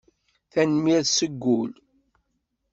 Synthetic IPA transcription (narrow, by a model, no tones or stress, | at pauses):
θænmiɾsəɡːʊl